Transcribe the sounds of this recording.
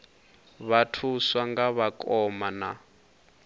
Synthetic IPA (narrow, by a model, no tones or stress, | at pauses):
βatʰuswaŋɡaβakʼɔmana